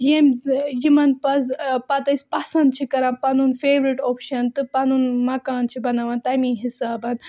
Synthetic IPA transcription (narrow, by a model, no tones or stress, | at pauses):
jemjimɐnpɐzpɐt̪ɐsʲpɐsɐnd̪̚t͡ʃʰikɐɾɐ̃npɐnunfeːʋɾiʈoːpʃɐnt̪ɨpɐnunmɐkaːnt͡ʃʰibɐnaʋɐnt̪ɐjmĩːɦisaːbɐn